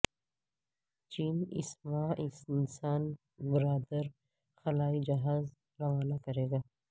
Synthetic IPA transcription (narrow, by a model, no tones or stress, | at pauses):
t͡ʃiːnɪ̰smãːʔɪsɪnsaːn | bɪɾaːd̪əɾ | xɐlaːid͡ʒɐɦaːz | ɾɐʋaːnakɐɾeːɡaː